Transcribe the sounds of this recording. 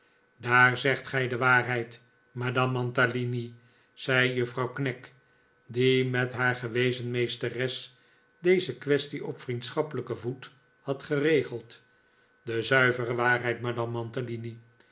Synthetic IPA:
daːɹzɛχtχɛjdəʋaːrɦɛjt | madɑmːɑntalini | z̥ɛjjəfrɑwknɛk | dimɛtɦaːɹχəʋejzənmejstərɛs | dejzəkʋɛstiʔɔpfrint̪sχɑpələkəvut | hɑtχərejχəlˠt | dəzœɥvərəʋaːrɦɛjtmadɑmːɑntalini

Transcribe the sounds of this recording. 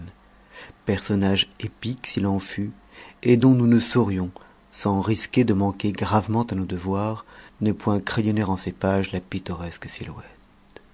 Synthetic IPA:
pɛʁsɔnaʒepiksilɑ̃fy | ed̪ɔ̃nunəsɔʁjɔ̃ | sɑ̃ʁiskʲed̪əmɑ̃keɡʁavmɑ̃t̪anod̪əvwaʁnəpwɛ̃kχejɔneʁɑ̃sepaʒlapit̪ɔʁɛsksilwɛt̪

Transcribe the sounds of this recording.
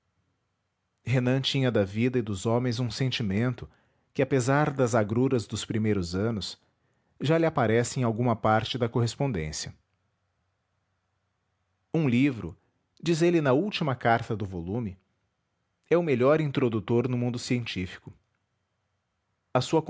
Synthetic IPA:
ɦenɐ̃t͡ʃĩɲɐd̪ɐvid̪ɐɪd̪ʊzõmẽj̃zũsẽnt͡ʃimẽnt̪ʊ | kɪapezaɾd̪ɐzaɡɾuɾɐzd̪ʊspɾimejɾʊzɐ̃nʊs | ʒalɪapaɾɛsɪẽj̃awɡũmɐpaɾt͡ʃɪd̪ɐkoɦespõnd̪ḛ̃sjɐ | ũlivɾʊ̰ | d͡ʒizelɪnɐuwt͡ʃimɐkaɾt̪ɐd̪ʊvolũmɪ | ɛʊmeʎɔɾĩnt̪ɾod̪ut̪oɾnʊmũnd̪ʊsiẽnt͡ʃifi̥kʊ | ɐsuɐk

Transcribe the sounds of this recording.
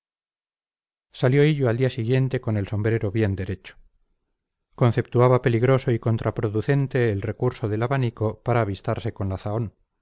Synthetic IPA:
saljo̞iʎoald̪iasiɣje̞nt̪e̞ko̞ne̞lso̞mbɾe̞ɾoβje̞nd̪e̞ɾe̞t͡ʃo̥ | ko̞n̟θe̞p̚t̪uaβape̞liɣɾo̞so̞iko̞nt̪ɾapɾoðuθe̞nt̪e̞ːlre̞kuɾso̞ðe̞laβaniko̞paɾaːβ̞ist̪aɾse̞ko̞nlaθao̞n

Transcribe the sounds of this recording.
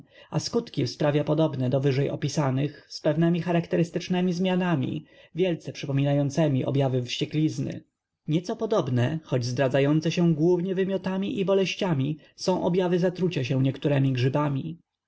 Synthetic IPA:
askut̪kʲispɾavʲjapɔd̪ɔbnɛd̪ɔvɘʐɛjɔpʲisanɘxspɛvnɛmʲixaɾakt̪ɛɾɘst̪ɘt͡ʂnɛmʲizmʲjanamʲḭvʲjɛlt̪sɛpʂɘpɔmʲinajɔnt̪sɛmʲiʔɔ̰bʲjavɘfɕt͡ɕɛklʲiznɘ̰ | ɲɛt̪sɔpɔd̪ɔbnɛxɔd͡ʑzd̪ɾad̪zajɔnt̪sɛɕɛ̃ɡwuvɲɛvɘmʲjɔt̪amʲiʔibɔlɛɕt͡ɕamʲi | sɔ̃w̃ʔɔbjavɘzat̪ɾut͡ɕaɕɛ̃ɲɛkt̪uɾɛmʲiɡʐɘbamʲi

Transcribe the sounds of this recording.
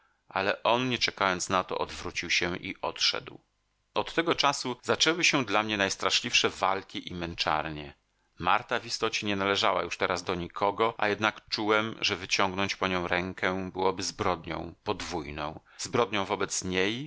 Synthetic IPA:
ʔa̰lɛʔɔnɲɛt͡ʂɛkajɔnt̪snat̪ɔ̰ʔɔd̪vɾut͡ɕiwɕɛʔḭʔɔt̪ʂɛ̰d̪w | ɔt̪ːɛɡɔt͡ʂasuz̥at͡ʂɛwɘɕɛ̃d̪lamɲɛnajst̪ɾaʂlʲifʂɛva̰lkʲiʔimɛnt͡ʂa̰ɾɲɛ | ma̰ɾt̪avist̪ɔt͡ɕɛɲɛnalɛʐawa̰juʂt̪ɛɾazd̪ɔɲikʰɔɡɔʔa̰jɛd̪nakt͡ʂuwɛmʐɛvɘt͡ɕɔŋɡnɔɲt͡ɕpɔɲɔ̃w̃ɾɛŋkʰɛbɘwɔbɘzbɾɔd̪ɲɔ̰̃w̃pɔd̪vujnɔ̃w̃ | zbɾɔd̪ɲɔ̃w̃vɔbɛt̪sɲej

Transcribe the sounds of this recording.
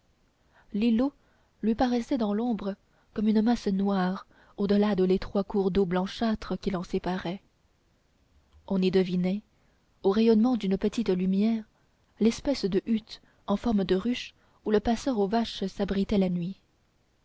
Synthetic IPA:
lilo | lɥipaʁɛsɛd̪ɑ̃lɔ̃bʁə | kɔmynəmasnwaʁ | od̪əlad̪əlet̪χwakuʁd̪oblɑ̃ʃat̪χəkʲilɑ̃sepaʁɛ | ɔ̃nid̪əvinɛ | oʁɛjɔnmɑ̃d̪ynəpət̪it̪lymjɛːʁ | lɛspɛsd̪əʔyt̪ | ɑ̃fɔʁməd̪əʁyʃ | uləpasœʁovaʃsabʁit̪ɛlanɥi

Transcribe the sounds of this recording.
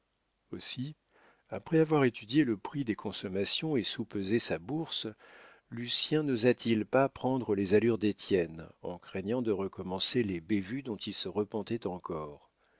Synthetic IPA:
osi | apχɛavwaʁet̪yd̪jeləpχid̪ekʰɔ̃sɔmasjɔ̃esupøzesabuʁs | lysjɛ̃nozat̪ilpapχɑ̃d̪ʁəlezalyʁd̪et̪jɛnɑ̰̃kχɛɲɑ̃d̪əʁəkɔmɑ̃selebevyd̪ɔ̃t̪ilsəʁəpɑ̃t̪ɛt̪ɑ̃kɔːʁ

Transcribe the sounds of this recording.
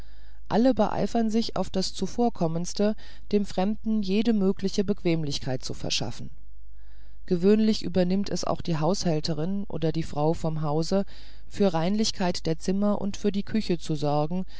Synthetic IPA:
ʔa̰ləbəʔa̰ɪfɐnzɪça̰ʊfd̥ast͡sufoːɐkʰɔmənstə | d̥eːmfʁ̥ɛmdn̩jeːdəmøːklɪçəbəkv̥eːmlɪçkʰaɪt̚t͡sufɛ̰ɐʃa̰fn̩ | ɡ̥əvøːnlɪçʔyːbɐnɪmtʰɛsa̰ʊxd̥iːɦaʊshɛltəʁɪnʔo̰ːdɐdiːfʁ̥aʊfɔmɦaʊzə | fyːɐʁaɪnlɪçkʰaɪtd̥eːɐt͡sɪmɐʔʊ̰ntfyːɐdiːkʰʏçət͡suzɔɐɡŋ̩

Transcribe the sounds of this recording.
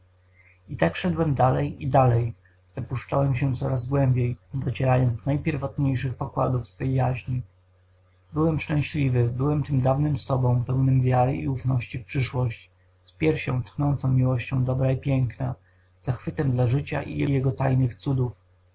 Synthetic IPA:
it̪akʂɛd̪wɛmd̪alɛjid̪alɛj | zapuʂt͡ʂawɛmɕ̬ɛt̪sɔ̰ɾazɡwɛmbʲjejd̪ɔt͡ɕɛɾajɔnt̪d̪ɔnajpʲjɛɾvɔt̪ɲejʂɘxpɔkwad̪ufsfɛjjaʑɲi | bɘwɛmʂt͡ʂɛ̃w̃ɕlʲivɘbɘwɛmt̪ɘmd̪avnɘmsɔbɔ̃w̃pɛwnɘmvʲjaɾɘʔḭufnɔɕt͡ɕifpʂɘʂwɔɕt͡ɕ | spʲjɛɾfɕɔ̰̃w̃t̪xnɔ̃nt̪sɔ̃w̃mʲiwɔɕt͡ɕɔ̃w̃d̪ɔbɾaipʲjɛŋkna | z̥axfɘt̪ɛmd̪laʐɘt͡ɕa̰ʔḭjɛjɛɡɔt̪ajnɘxt̪sud̪uf

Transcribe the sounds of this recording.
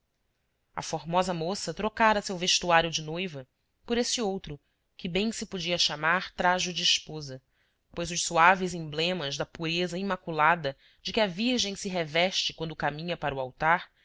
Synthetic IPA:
ɐ̰foɾmɔzɐmosɐt̪ɾokaɾɐsewveʃt̪uaɾjʊd͡ʒɪnojvɐ | poɾesɪowt̪ɾʊ | kɪbẽj̃sɪpod͡ʒiɐʃamaɾt̪ɾaʒud͡ʒɪːʃpozɐ | pojzʊʃsuavɪzĩblẽmɐʒd̪ɐpuɾezɐimakulad̪ɐ | d͡ʒɪkɪɐviɾʒẽj̃sɪɦevɛʃt͡ʃɪ̥kwɐ̃nd̪ʊkamĩɲɐpaɾʊawt̪aɾ

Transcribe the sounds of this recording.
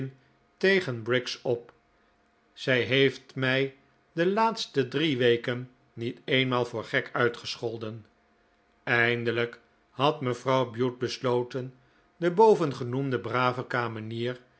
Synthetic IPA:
n | tejχənbrɪksɔp | z̥ɛjɦejftmɛj | dəlaːtstədriʋejkənː | itejnmaːlˠvʊːɹχɛkœɥtχəsχɔlˠdən | ɛjndələk | hɑtməvrɑwbjut̚bəslowtən | dəbowvənχənumdəbraːvəkaːməniːr

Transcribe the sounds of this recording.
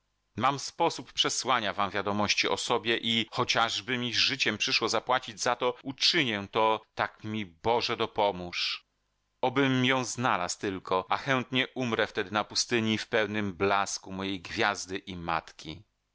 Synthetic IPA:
mamspɔsuppʂɛswaɲavamvʲjad̪ɔmɔɕt͡ɕiʔɔsɔbʲjɛʔixɔt͡ɕaʐbɘmʲizʐɘt͡ɕɛmpʂɘʂwɔzapwat͡ɕid͡ʑzat̪ɔut͡ʂɘɲɛt̪ɔt̪akmʲibɔʐɛd̪ɔpɔmuʂ | ɔbɘmːjɔ̃w̃znalast̪ɘlkʰɔʔaxɛnt̪ɲɛʔumɾɛft̪ɛd̪ɘnapust̪ɘɲifpɛwnɘmblaskumɔjejɡvʲjazd̪ɘʔima̰t̪kʲi

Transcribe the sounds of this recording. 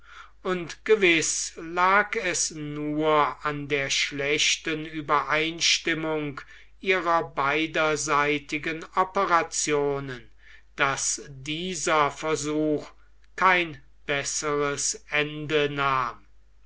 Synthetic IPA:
ʔʊntɡ̥əvɪslaːkɛsnuɐandeːɐʃlɛʃtənyːbɐʔaɪnʃtɪmʊŋk | ʔiːʁɐbaɪdɐzaɪtɪɡənɔpəʁat͡sjoːnən | d̥asdiːzɐfɛɐzuːx | kʰaɪn | b̥ɛsəʁəsɛndənaːm

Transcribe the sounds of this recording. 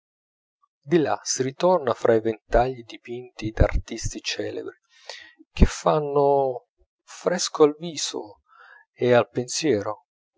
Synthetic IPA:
d̪ila̰siɾit̪ɔrnafɾʔaivent̪aʎːid̪ipint̪id̪a̰rt̪ist̪it͡ʃɛːlḛbɾi | k̟ʰefːanːʊ | fɾɛskoalviːzo̰ | ealpensjɛːɾo

